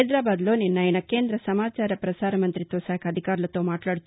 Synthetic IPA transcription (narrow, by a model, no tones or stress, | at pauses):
jd̪ɾaːbaːd̪loːninːɐjɐnɐke̞ːnd̪ɾɐsɐmaːt͡ʃaːɾɐpɾɐsaːɾɐmɐnt̪ɾit̪ʋɐsaːkʰɐd̪ʱikaːɾlɐt̪ːoːmaːʈlaːɽ